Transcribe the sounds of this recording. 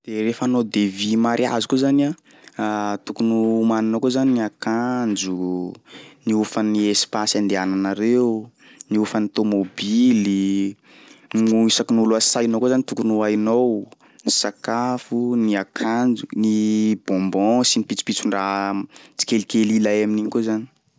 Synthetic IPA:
d̪̥erefanod̪evimaɾʔia̰zu̥kuzana | t̪ukunuːmaninowkozaniniakand͡ʒu | niufəniespasand̪eananaɾeu | niufənit̪omobili | nuisakinulasajnowkozanit̪ukunuajnow | nisakafuniakʰand͡ʒunib̥ɔ̃mbɔ̃sinipit͡si̥pit͡suɳɖ͡ʐaɦt͡si̥kelikelilajaminiɲikozani̥

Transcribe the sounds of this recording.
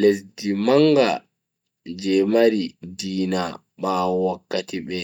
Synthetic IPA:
lesdimaŋɡa̰ | d͡ʒɛmaɾidiːna | ɓawakːatiɓɛ

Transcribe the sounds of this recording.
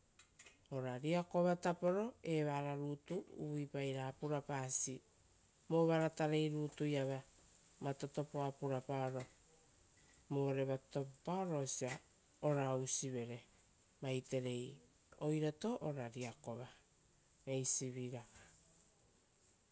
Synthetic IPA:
o̞ɾaɾiako̞βatapo̞ɾo̞e̞βaɾaɾuːtuṵβipajɾaːpuɾapaːsi | moβaɾataɾe̞jɾuːtujaβa | mato̞to̞poapuɾapaoɾo̞ | moɾe̞βatoppaoɾosia | oɾawsiβe̞ɾe̞ | majte̞ɾe̞j | o̞jɾato̞ʔoɾaɾiako̞βa | mejsiβiɾa

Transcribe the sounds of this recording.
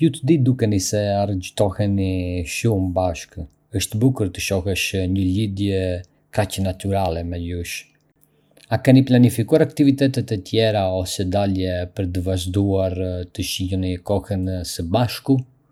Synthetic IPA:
jut̪əd̪id̪ukɛnisɛaɾəd͡ʒt̪ɔhɛniʃumbaʃk | əʃt̪bukəɾt̪əʃɔhɛʃɲəlid̪jɛ | kacənat̪yɾalɛmɛluʃ | akɛniplanifikuaɾakt̪ivit̪ɛt̪ɛt̪ɛt̪jɛɾaɔsɛd̪aljɛpəɾt̪̬əvaʒd̪uaɾt̪əʃilənikɔhənsəbaʃku

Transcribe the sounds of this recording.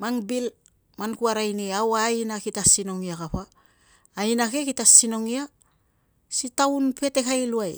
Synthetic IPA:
maŋbil | mankuaɾajniawajnakitasino̞ŋiakapaː | inake̞kitasino̞ŋia | sitawnpe̞te̞kajluaj

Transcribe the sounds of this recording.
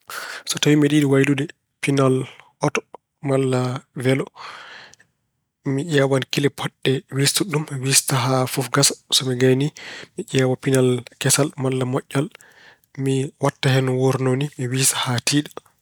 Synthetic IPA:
sɔtawimiɗiɗiwajɗudɛ | pinalʔɔtɔ̥ | malːavɛlɔ | miʔɛwankilɛpʰɔɗːɛwistuɗumwistaɦafɔfɡasḁsɔmiɡajnimiʔɛːwapinalkɛsalmalːamɔʔːal | miwatːahɛnwoɾnonimiwisḁhatiːɗḁ

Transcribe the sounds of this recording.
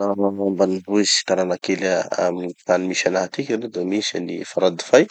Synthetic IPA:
aambanibuizi̥i̥t̪aɾanakelaamt̪animiʃanaɦat̪ikʲiɾed̪emisanifaɾad̪i̥faj

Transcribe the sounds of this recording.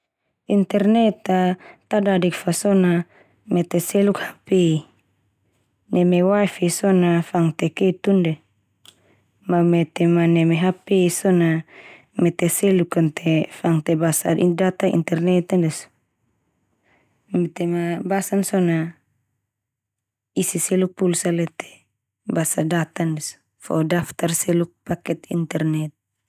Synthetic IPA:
int̪ɛrnɛt̪at̪adadikfasɔna | mɛt̪ɛsɛlukhape | nɛmewafisɔnafaŋt̪ɛket̪undɛ | mamɛt̪emanɛmeɦapesɔna | mɛt̪esɛlukant̪ʰefaŋt̪ɛbasaidat̪aḭnt̪ɛrnɛt̪ndɛs | mɛt̪ɛmabasansɔna | isisɛluk̚pulsalɛt̪ɛ̥ | basadat̪andɛs | fɔ̰daft̪arsɛluk̚pakɛt̪ḭnt̪ɛrnɛt̪̚

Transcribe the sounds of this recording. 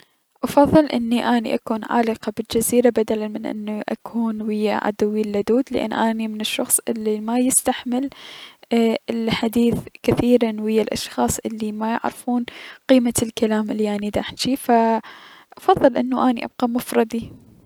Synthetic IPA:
ʔɑfɑðˤːɨlʔɪ̰nːiʔaːnḭʔakuːnʕa̰ːlɪqɑbɪld͡ʒaziːɾabad̪alalmɪnʔɪ̰nːuʔa̰kʰuːnwɪjːa̰ʕa̰d̪awilːad̪uːd̪lɪ̰ʔa̰nːʔaːnimɪnɪʃːɑxsˤʔɪ̰lːimajɪst̪aħmɪl | ɪlħad̪iːθkɪθiːɾanwɪjːalʔɑ̰ʃxɑːsˤʔɪlːimajɪ̰ʕɾfuːnqiːmalkalaːmʔɪlːiʔanid̪aħt͡ʃifa | ʔɑfɑðˤːɨlʔɪnːuʔaːniʔɑ̰b̚qɑmʊfɾˤɑd̪i

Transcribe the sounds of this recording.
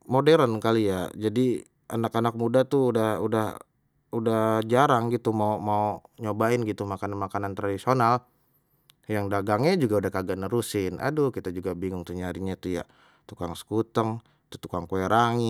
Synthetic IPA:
modɛɾənkalijad͡ʒadi | a̰nakanak̚mudat̪uːdahudah | udahd͡ʒaɾaŋɡit̪umaumaoɲobaɪnɡit̪umakananmakanant̪ɾadisional | jaŋdaɡaŋɲad͡ʒuɡaudahkaɡanəɾusɪnʔa̰dukit̪ad͡ʒuɡabiŋʊŋt̪uɲaɾiɲat̪uja̰ | t̪ukaŋsə̥kut̪əŋ | t̪ut̪ukaŋkoeɾaŋi

